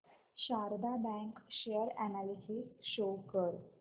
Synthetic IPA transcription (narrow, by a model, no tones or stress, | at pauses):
ɕaɾd̪abɛ̃ŋkɕejəɾɛnalisisɕokəɾ